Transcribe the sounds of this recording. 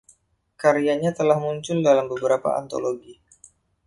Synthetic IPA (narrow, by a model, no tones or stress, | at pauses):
kaɾiaɲat̪əlahmuɲt͡ʃʊldalambəbəɾapa̰a̰nt̪o̰loɡi